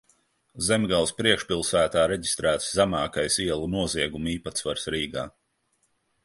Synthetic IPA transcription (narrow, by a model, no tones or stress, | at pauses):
zemɡalˠspɾiɛkʃpʲilˠsæːt̪aːɾeɟi̥st̪ɾæːt̪szæmɑːkajsiɛlˠunuɔziɛɡumiːpat̪svaɾsɾiːɡa̰ː